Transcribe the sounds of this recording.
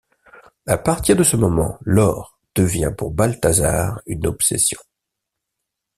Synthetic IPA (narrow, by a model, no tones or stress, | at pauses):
apaʁt̪iʁd̪əsəmɔmɑ̰̃lɔʁ | d̪̥əvjɛ̃puʁbalt̪aza̰ʁynɔpsḛsjɔ̥̃